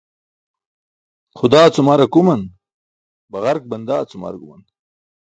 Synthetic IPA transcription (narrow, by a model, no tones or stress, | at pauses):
χʊd̪aːt͡sumaːɾɐkumɐn | bɐɣɐɾk̚bɐnd̪aːt͡suma̰ɾɡumɐ̰n